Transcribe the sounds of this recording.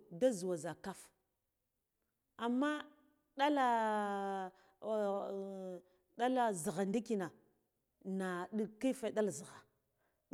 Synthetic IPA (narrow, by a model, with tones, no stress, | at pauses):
da˦zu˨wa˨za˨ka˦f | a˨mːa˦ | ɗa˦la˦˨ | ɗa˦la˨zi˨ɣa˨ndi˦ki˨na˨ | na˨ɗi˦ki˦fa˦˨ɗa˦lzi˨ɣa˨